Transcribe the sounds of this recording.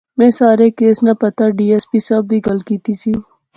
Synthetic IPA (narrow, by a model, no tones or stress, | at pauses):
mɛ̃ːsaːɾekeːsnapɐt̪aɖiːeːspiːsɐbʋiːɡəlkiːt̪isʰiː